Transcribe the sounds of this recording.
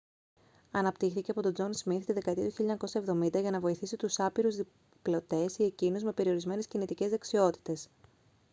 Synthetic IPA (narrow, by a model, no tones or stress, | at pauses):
ɐnɐpt̪ixθiceɐpo̞t̪o̞d͡zo̞nsmiθt̪iðekɐet̪iɐt̪uçiʎːɐɲɐko̞sɐe̞vðo̞mind̪ɐʝɐnɐvo̞iθisit̪usɐpiɾuzði | plo̞t̪e̞sie̞cinuzme̞pe̞ɾio̞ɾizme̞ne̞scinit̪ice̞zðeksio̞t̪i̥t̪e̞s